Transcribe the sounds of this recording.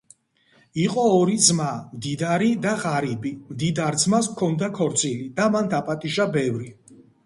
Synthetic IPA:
iqʼɔːɾid̪zmamd̪id̪aɾid̪aʁaɾibimd̪id̪aɾd̪zmaskʰɔnd̪akʰɔɾt̪zʼilid̪amand̪apʼat̪ʼiʒabɛvɾi

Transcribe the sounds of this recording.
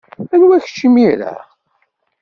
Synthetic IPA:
ænwæç̥t͡ʃːimiɾæ̰

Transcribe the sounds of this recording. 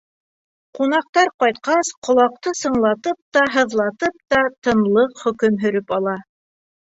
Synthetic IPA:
qunɑq̚t̪ɑɾqɑjt̪̚qɑsqŏlˠɑq̚t̪ɤsɤ̆ɴlˠɑt̪ɤp̚t̪ɑɦɤ̆ðlˠɑt̪ɤp̚t̪ɑt̪ɤ̆nlˠɤqχɵ̆kɵmɦɵ̆ɾɘpɑlˠɑ

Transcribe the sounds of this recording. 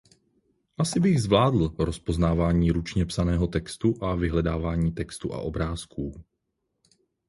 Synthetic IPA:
ʔasɪbɪɣzvlaːdl̩ɾo̞spo̞znaːvaːɲiːɾut͡ʃɲɛpsanɛːɦo̞t̪ɛkst̪uʔavɪɦlɛdaːvaːɲiːt̪ɛkst̪uʔa̰ʔo̞bɾaːskuː

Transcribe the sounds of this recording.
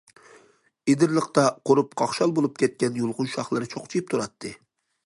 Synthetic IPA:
ed̪ɪɾlˠəqt̪ɑqʰoɾup̚qʰɑχʃɑlˠbolˠup̚kʲɛt̪̚kʲɛnjulˠʁʊnʃɑχlˠɨɾɨt͡ʃʰoχt͡ʃʰijip̚t̪ʰuɾɑt̪ʰːɨ

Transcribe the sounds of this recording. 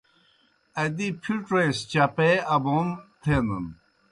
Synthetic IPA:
ɐd̪ipʰiʈɾest͡ɕapeɐbont̪ʰenə̰n

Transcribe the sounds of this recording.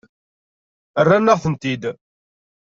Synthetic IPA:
ərːanːəʁθənt̪id̪

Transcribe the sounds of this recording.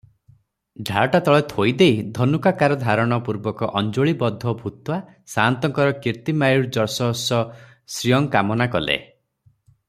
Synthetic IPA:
ɖʱaʈat̪ɔɭet̪ʰojd̪ejd̪ʱɔnukakaɾɔd̪ʱaɾɔɽ̃ɔpuɾbɔkɔʔɔnd͡ʒoɭibɔd̪ʱːɔbʱut̪wa | sant̪ɔŋkɔɾɔkiɾt̪imajuɽd͡ʒɔɾsɔɦɔsɔ | sɾijɔŋkamɔnakɔlḛ

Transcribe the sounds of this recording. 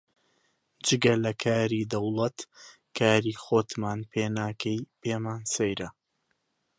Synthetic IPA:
d͡ʒɨɡɐlɐkʰaːɾiːd̪ɐwlˠɐt̪ | kʰaːɾiːxoːt̪maːnpʰeːnaːkʰɐjpeːmaːnsɐjɾɐ

